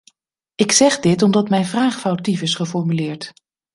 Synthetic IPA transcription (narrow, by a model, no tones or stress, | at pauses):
ɪksɛχdɪtɔmdɑtmɛjnvraːχfawtifɪsχəfɔɹmylɪːɹt